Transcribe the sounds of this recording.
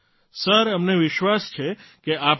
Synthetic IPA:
səɾəmneʋɪʃʋast͡ʃʰekeap

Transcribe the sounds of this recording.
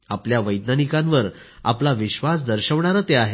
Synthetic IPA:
apljaʋəjd̪nanikãnʋəɾ | a̰plaʋiɕʋasd̪əɾɕəʋɳaɾət̪eaɦe

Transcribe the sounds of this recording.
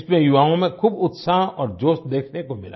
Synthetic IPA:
smẽjʊʋaːõmẽkʰuːbʊt̪saɦɔːɾd͡ʒoːst̪̚d̪eːkʰnekomɪ̰la̰

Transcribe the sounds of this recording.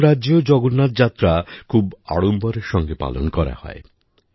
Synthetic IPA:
ɾad͡ʑod͡ʑɔɡonːat̪d͡ʑat̪ːɾakʰuba̰ɽombaɾeɾʃɔŋɡepa̰lo̰nkɔɾa̰hɔ̰e

